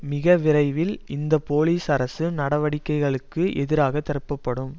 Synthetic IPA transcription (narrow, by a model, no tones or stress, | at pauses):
mɪɣɐʋɪrɐɪʋɪlɪnd̪ɐpoːliːsɐɾɐsɯnɐɽɐʋɐɽɪkːɐɪɣɐɭɯkːɯʔɛðɪɾaːɣɐt̪ːɐɾɯpːɐpːɐɽɯm